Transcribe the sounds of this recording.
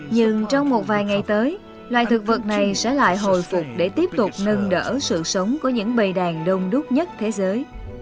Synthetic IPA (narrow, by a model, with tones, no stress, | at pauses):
ɲɨ˧ŋt͡ɕɔ˧wŋ͡mmo˨˩t̚vaː˨˩jŋa˨˩jt̪əː˨˦j | lwa̰ː˧˨jt̪ʰɨ˨˩k̚və˨˩t̚na˨˩jsɛ̰˧˥la̰ː˧˨jɦo̰˧˨jfʊ˨˩k͡p̚ɗe˧˩t̪i˦˥əp̚t̪ʊ˨˩k͡p̚nə˧nɗə̰ː˧˥sɨ̰˧˨sə˨˦wŋ͡mkɔ˨˧˦ɲɨ̰˧˥ŋɓə˨˩jɗaː˨˩ŋɗə˧wŋ͡mɗʊ˦˥t̚ɲə˦˥t̚t̪ʰe˨˦zəː˨˦j